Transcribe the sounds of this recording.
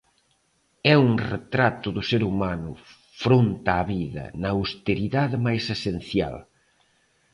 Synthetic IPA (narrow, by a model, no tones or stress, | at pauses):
ɛuŋret̪ɾat̪ʊðʊseɾumanʊ | fɾont̪aːβiðɐ̰nɐwst̪eɾiðaðɪmajsesen̟θja̰l